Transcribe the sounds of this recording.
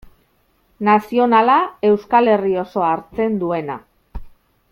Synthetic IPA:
nasio̞nalae̞wskale̞rio̞so̞aɾt͡se̞nd̪ue̞na̰

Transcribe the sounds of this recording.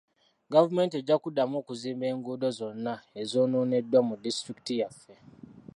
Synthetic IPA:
ɡavume̞nte̞ɟːakudamoːkuziːmbe̞ːŋɡuːdozo̞nːaezoːnoːne̞dwamudistɾiki̥tijafːe

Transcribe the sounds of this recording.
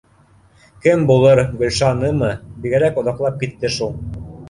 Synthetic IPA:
kɘmbulˠɤɾɡɵ̆lʲʃɑnɤmɤbiɡæɾækŏðɑqlˠɑp̚kit̪ːɘʃulˠ

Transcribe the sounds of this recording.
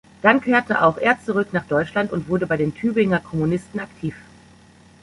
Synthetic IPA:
d̥ankʰeːɐtəʔa̰ʊxʔeːɐt͡suʁʏknaːχd̥ɔʏt͡ʃlantʊntv̥ʊɐdəbaɪdeːntʰyːbɪŋɐkʰɔmunɪstn̩aktʰiːf

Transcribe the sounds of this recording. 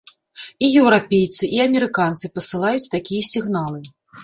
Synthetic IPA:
ijɛwɾapʲejt̪sɨʔiɐmʲɛɾɨkant̪sɨpɐsɨlˠajut͡sʲt̪akʲijɐsʲiɣnalˠɨ

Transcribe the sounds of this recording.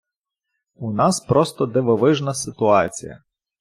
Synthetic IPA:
unɑspɾɔst̪ɔd̪eʋɔʋɪʒnɐsɪt̪ʊɑt͡sʲḭjɐ̰

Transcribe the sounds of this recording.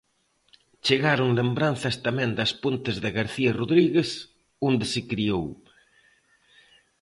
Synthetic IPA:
t͡ʃeɣaɾʊŋlembɾan̟θɐst̪amɛ̃nd̪ɐspont̪ɪzðɪɣaɾθiɐroðɾiɣes | ond̪ɪsɪkɾiow

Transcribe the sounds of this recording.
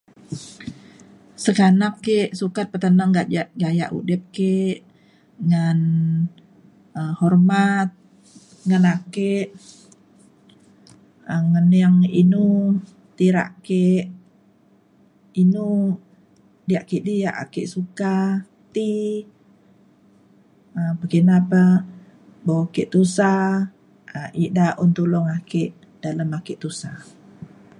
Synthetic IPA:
səkanakːeʔsukat̪̚pət̪ənaŋɡaʔaʔɡaja̰ʔṵdɛp̚keʔ | ŋan | əhɔrmat̪̚ | ŋanakeʔ | əŋənjaŋinu | t̪iɾa̰ʔkeʔ | inu | dijaʔkeʔdija̰ʔakeʔsuka | t̪i | apəkinapa | boakeʔt̪usa | aʔiʔdaʔunt̪ulɔŋakeʔ | d̥aləmakeʔt̪usa

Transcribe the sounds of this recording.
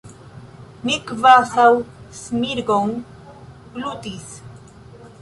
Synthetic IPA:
mikvasawsmiɾɡoŋ | blut̪is

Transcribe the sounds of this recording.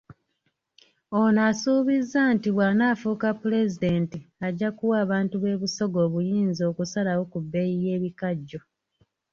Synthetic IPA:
o̞nasuːβizːaːntiβwanaːfukapːule̞zide̞ːntiaɟːakuwaːβaːntuβe̞ːβuso̞ɡo̞ːβujiːnzo̞ːkusalawo̞kubːe̞jije̞ːβikaɟːo̞

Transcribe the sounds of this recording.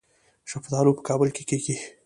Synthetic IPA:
ʃafd̪ɑɾupə̥kɑːbəlkekeɡi

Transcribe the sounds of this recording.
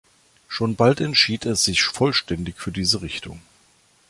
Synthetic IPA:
ʃoːnbaltɛntʃiːtʰɛsz̥ɪçfɔlʃtɛndɪçfyːɐdiːzəʁɪçtʊ̰ŋ

